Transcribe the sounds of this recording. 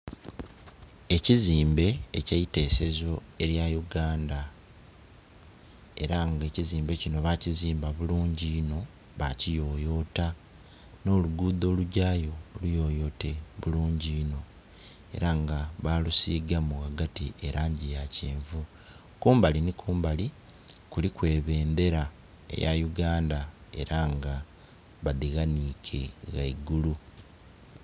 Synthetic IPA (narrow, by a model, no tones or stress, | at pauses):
e̞ciziːmbe̞ːcajite̞ːse̞zo̞e̞ɾjajuɡaːnda | e̞̰ɾaŋɡe̞ːciziːmbe̞cino̞βaciziːmbaβuluːɲɟino̞ | βa̰cijo̞ːjo̞ːta | no̞ːluɡuːd̪o̞ːluɟaːjo̞lujo̞ːjo̞ːte̞βuluːɲɟino̞ | e̞̰ɾaŋɡaβalusiːɡamuɣaɡatiʔeɾaːɲɟijaceːɱvu | kuːmbalinikʰuːmbali | kulikwe̞ːβe̞ːnd̪e̞ɾa | ḛja̰juɡaːndae̞̰ɾaŋɡa | βaðiɣanikʰḛɣaiɡulu